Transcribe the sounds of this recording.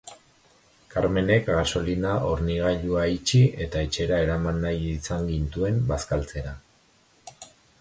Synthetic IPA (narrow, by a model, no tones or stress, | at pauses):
kaɾme̞ne̞kɡaso̞linaʔo̞ɾniɣ̞aʎuait͡ʃiʔe̞t̪ae̞t͡ʃe̞ɾae̞ɾamanːajisaŋɡint̪ue̞mbaskalt͡se̞ɾa